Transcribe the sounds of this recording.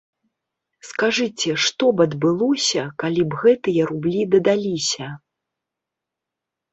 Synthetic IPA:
skaʐɨt͡sʲɛʂt̪ɔbɐd̪bɨlˠɔsʲɐkalʲibɣɛt̪ɨjɐɾublʲid̪ɐd̪alʲisʲɐ

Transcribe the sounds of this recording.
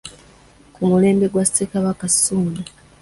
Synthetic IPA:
kumule̞ːmbe̞ɡwasekaβakasuːnda

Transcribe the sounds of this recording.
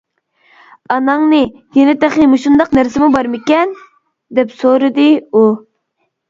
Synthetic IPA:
ɑnɑŋnɨjenɪt̪æχnɪmuʃund̪ɑqnæɾsɪmubɑɾmɪkʲɛn | d̪ɛpsoɾɨd̪ɨu

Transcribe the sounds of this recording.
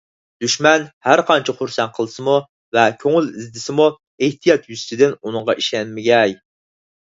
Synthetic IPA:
d̪̥yʃmɛnhæɾqʰɑnt͡ʃʰiχʊɾsɛnqʰəlˠɨsɨmu | vɛkʲʰøŋylizd̪ɪsɪmu | eht̪ʰijɑt̪jyst̪ʰɪd̪ɪnunɨŋʁɑʔiʃɛnmɪɡʲɛj

